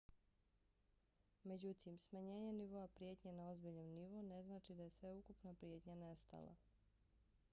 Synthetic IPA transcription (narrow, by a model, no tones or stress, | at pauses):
me̞d͡ʑut̪ʰimsmaɲe̞ːɲeniʋo̞apɾje̞t̪ɲenao̞zbiʎnomniʋo̞ne̞znaːt͡ʃid̪ajesʋe̞ukupnapɾje̞t̪ɲanest̪a̰lˠa̰